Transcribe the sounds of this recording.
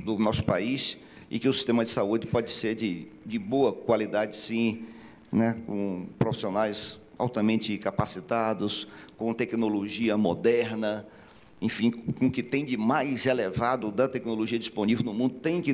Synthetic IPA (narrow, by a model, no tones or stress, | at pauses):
d̪ʊnɔsʊ̥pais | ɪ̰kɪʊsi̥st̪ẽmɐd͡ʒɪsaud͡ʒɪpɔd͡ʒɪseɾd͡ʒɪ | d͡ʒɪboɐkwalid̪ad͡ʒɪsĩ | nɛkõ̰pɾofi̥sionajs | a̰wt̪ɐmẽnt͡ʃɪkapasit̪ad̪ʊskõt̪ɛknoloʒiɐmod̪ɛɾnɐ | ẽfĩkõkɪt̪ẽj̃d͡ʒɪmajshelevad̪ʊd̪ɐt̪ɛknoloʒiɐd͡ʒisponivewnʊmũnd̪ʊt̪ẽj̃kɪ